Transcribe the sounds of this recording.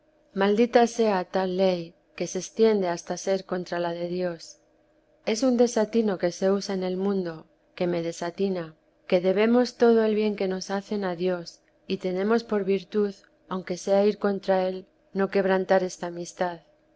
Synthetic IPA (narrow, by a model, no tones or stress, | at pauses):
mald̪it̪ase̞at̪alːe̞j | ke̞se̞st̪je̞nd̪e̞ast̪ase̞ɾko̞nt̪ɾalaðe̞ðjo̞s | e̞sund̪e̞sat̪ino̞ke̞se̞usaene̞lmũnd̪o̞ | ke̞me̞ð̞e̞sat̪ina | ke̞ðe̞βe̞mo̞st̪o̞ð̞o̞e̞lβje̞ŋke̞no̞saθe̞naðjo̞s | it̪e̞nẽ̞mo̞spo̞ɾβiɾt̪uð | awŋke̞se̞aiɾko̞nt̪ɾae̞l | no̞ke̞βɾant̪aɾe̞st̪aːmist̪að